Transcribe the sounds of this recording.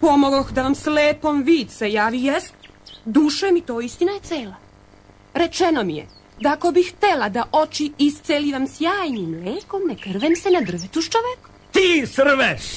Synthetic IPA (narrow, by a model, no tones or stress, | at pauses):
po̞moɡoxd̪aʋamsleːpo̞mʋiːd̪sejaːʋijɛst̪ | d̪uːʃamit̪o̞ːist̪inaje̞t̪seːla | ɾet͡ʃeno̞mijḛ | d̪aːko̞bixt̪elad̪aʔo̞t͡ʃiist̪seliʋamsjaːjnimleːko̞mnekr̩ʋemsenad̪r̩ʋet̪uʃt͡ʃoʋeko̥ | t̪iːsr̩ʋeʃ